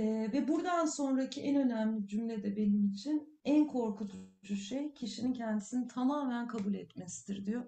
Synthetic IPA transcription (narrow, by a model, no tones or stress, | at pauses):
ɛvɛbuɾd̪anso̞nɾacʰiʔɛnø̞næmlʲid͡ʒymlʲed̪ɛbe̞nimit͡ʃʰin | ænkʰo̞ɾkʰut̪ʰd͡ʒuʃejcʰiʃinincʰɛnd̪isinit̪ʰamaːmænkʰabulʲɛt̪mɛsi̥d̪iɾd̪ijo